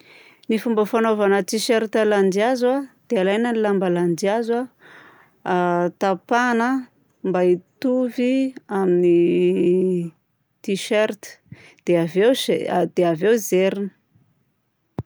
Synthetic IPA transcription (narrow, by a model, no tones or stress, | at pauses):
nifumbəfanovanət̪iʃeɾit̪əland͡ʒiazwad̪̥ealajnənilambalandiazwa | t̪apanə | mbait̪uviamini | t̪iʃeɾt̪ə̥ | d̪̥eavewed̪̥eavewzeɾinə̥